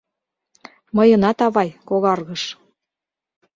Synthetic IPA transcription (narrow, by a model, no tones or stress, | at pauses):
mɤjɤ̆nɑt̪ɑβɑjkoɣɑrɣɤʃ